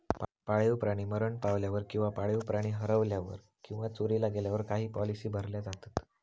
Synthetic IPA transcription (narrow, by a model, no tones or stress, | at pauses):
paɭiʋpɾaɽ̃iːməɾəɳpaʋljaʋəɾkĩw̃ʋapaɭiʋpɾaɽ̃iːɦəɾəʋljaʋə̰ɾ | kĩw̃ʋat͡soɾiːlaɡeljaʋəɾkaɦiːpɔlisiːbʱəɾljad͡zat̪at̪